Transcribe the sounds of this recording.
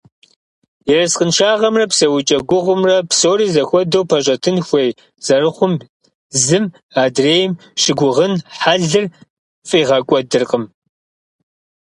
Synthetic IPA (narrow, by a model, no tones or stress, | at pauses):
jɛrɐsqənʃaːʁɐmrɐpsɐwʊt͡ʃʼɐɡʷʊʁʷʊmrɐpsoːɾiːzɐxʷɔdowpʰɐɕʼɐtʰɨnxʷej | z̥ɐrɨχʷʊm | zɨm | aːdreːjɪm | ʃɪɡʷʊʁənħaɮɨr | fʼiːʁɐkʷʼɔdɨrqʼəm